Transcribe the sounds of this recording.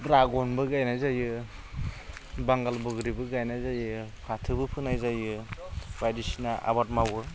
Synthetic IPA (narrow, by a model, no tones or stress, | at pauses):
ɾaɡɔnbɯɡajnajzajɯ | baŋɡalbɯɡɾibɯɡajnajzajɯpʰatʰɯbɯpʰɯnajzajɯbajdisinaʔa̰bat̚mawɯ